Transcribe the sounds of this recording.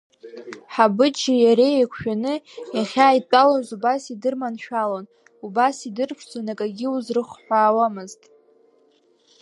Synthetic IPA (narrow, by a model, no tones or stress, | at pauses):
ħabɨd͡ʒijaɾe̞jakʷʰʃᶣanɨjaχʲaːjtʷʼalazubasidɨrmanʃᶣalon | ubasidɨrpʷʰt͡sʼonakʼaɡʲɪuzrɨχʷħʷaːwamɨztʼ